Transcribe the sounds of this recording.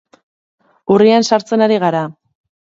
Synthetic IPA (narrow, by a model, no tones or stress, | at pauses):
uriansaɾt͡se̞naɾiɣaɾa